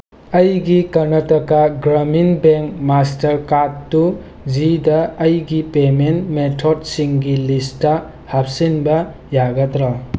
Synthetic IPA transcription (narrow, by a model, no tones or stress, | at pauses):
ɐjɡikɐnɐtɐkaɡɾɐminbeŋkmastɐɾkadːu | d͡ʒidɐːjɡipementmetʰodsiŋɡilistɐ | hap̚sinbɐ | jaɡɐtɾɔ